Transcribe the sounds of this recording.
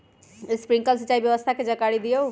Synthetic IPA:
spɾiŋkəlsitːt͡ʃaibjəʋəst̪ʰaked͡ʒəkaɽid̪ijo

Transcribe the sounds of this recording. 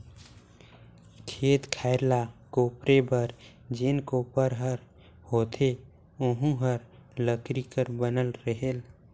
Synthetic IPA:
kʰeːt̪kʰaɪɾlakopɾebəɾ | d͡ʒenkopəɾɦəɾ | hot̪ʰe | ʊɦũɦəɾləkɾikəɾbənəlɾəɦel

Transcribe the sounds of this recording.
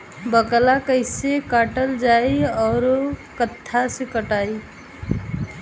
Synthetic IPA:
bəklakəɪsekaːʈəld͡ʒaiɔːɾkət̪ʰːasekəʈai

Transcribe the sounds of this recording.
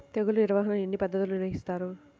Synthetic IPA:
t̪eɡuluiɾɐʋaːɦɐnɐe̞nːipɐd̪ːɐt̪uluniɾʋɐɦist̪aːɾu

